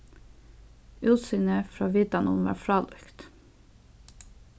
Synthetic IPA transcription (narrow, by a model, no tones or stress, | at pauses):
ʉːt̪syːnəfɾɑːʋɪd̪ɑnʊ̰nʋɑ̰ːfɹɑːlœkt̪